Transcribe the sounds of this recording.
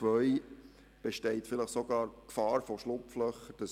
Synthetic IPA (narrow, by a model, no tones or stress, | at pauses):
ʋœʏ | b̥eʃtɛɪtfɪləχsoɡɑːɾkfɑːɾfɔʃlʊpflœχəd̥əs